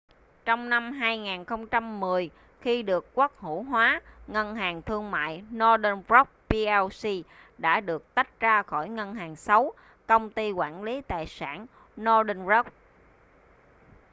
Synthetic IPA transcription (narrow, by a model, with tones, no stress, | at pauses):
t͡ɕɔ˧wŋ͡mna˧mɦaː˧jŋaː˨˩nxə˧wŋ͡mt͡ɕa˧mːɨ˨˩əj | xi˧ɗɨ˨˩əkːwa˦˥k̚hṵ˧˩ɦwaː˨˦ŋə˧nɦaː˨˩ŋt̪ʰɨ˧əŋma̰ː˧˨jnɔ˧ɗə˧nvɹɔ˦˥k͡p̚pi˧ɛ˧wsi˧ | ɗa̰ː˧˥ɗɨ˨˩ək̚t̪a˦˥k̚zaː˧xɔ˧˩jŋə˧nɦaː˨˩ŋsa˨˦w | kə˧wŋ͡mt̪i˧kwaː˧˩nli˨˦t̪a̰ː˨jsaː˧˩n | nɔ˧ɗə˧nzɔ˦˥k͡p̚